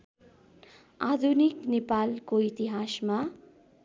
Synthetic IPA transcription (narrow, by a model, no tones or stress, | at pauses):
ad̪ʱuniknepalkoit̪iɦasma